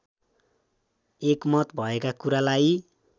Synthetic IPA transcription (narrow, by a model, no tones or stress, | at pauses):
ekmʌt̪bʱʌekakuɾalaj